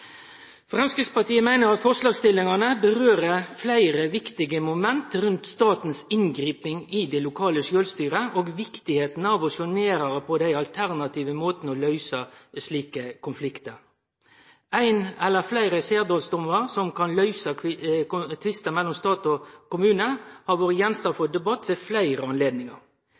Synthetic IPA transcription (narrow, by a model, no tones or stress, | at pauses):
fʁɛmskɾɪt̪spɑt̪iːəmæɪnəʁɑt̪fɔʁslɑːɡst̪ɪlːɪŋɑnəbəʁøːʁəflæɪʁəʋɪkt̪ɪɡəmʊmɛnt̪ʁʉnt̪st̪ɑːt̪n̩sɪŋɡɾiːpɪŋɪd̪ɛlʊkʰɑːləʃøːlst̪yːʁəʔoːɡʋɪkt̪ɪheːt̪n̩əɑʋɔsɔneːɾəʁəpʰɔd̪æɪɑlt̪ʰæʁnɑt̪iːʋəmoːt̪n̩ɔlœʏsəsliːkəkʰʊnflɪkt̪əɾ | æɪnɛlːəflæɪɾəseːʁd̪oːlsd̪ɔməɾsɔmkʰɑnlœʏsə | t̪ʰʋɪst̪əmɛlːɔmst̪ɑːt̪ɔkʊmʉːnəhɑɾʋoːɾəjɛnst̪ɑfɔd̪ɛbɑt̪ːʋeːflæɪɾəɑnleːd̪nɪŋɑ̰ɾ